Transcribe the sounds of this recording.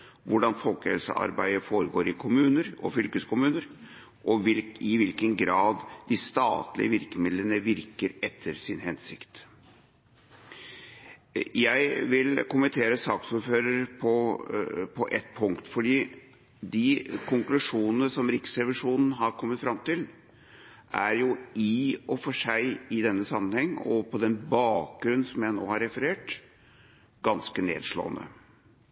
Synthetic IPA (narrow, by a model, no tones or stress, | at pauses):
ʋʊɖɑnfɔlkəhɛ̰lsə̰ʔɑ̰ɾbæ̰ɪəfoːɾəɡoːɾɪkʰʊmʉːnəɾʔɔ̰fʏlkəskʊmʉːnəɾ | ʔɔʋɪlɪʋɪlkənɡɾɑːd̪d̪ɪst̪ɑ̰ːt̪lɪ̰əʋɪɾkəmɪd̪lənəʋɪɾkəɾɛt̪ʰːəɾsɪnhɛnsɪkt̪ | jæɪʋɪlkʊmənt̪ʰeːɾəsɑːksuːɾføːɾəɾpʰɔ | pʰɔʔɛt̪ːpʰʊŋkt̪fɔɖiː | d̪ɪkʰʊŋklʉʂuːnnəsɔmɾɪksɛʋɪʂuːnn̩ɦɑɾkʰɔmːət̪fɾɑmt̪ɪl | ʔæ̰ɾjʊɪɔfɔʂæɪɪd̪ɛnːəsɑmːənhɛŋːɔ̰pʰɔd̪ɛnbɑːk̚ɡɾʉnsɔmjæɪno̰ːhɑɾɛfəɾeːʈ | ɡ̥ɑnskənḛːd̪ʂlo̰ːnə̰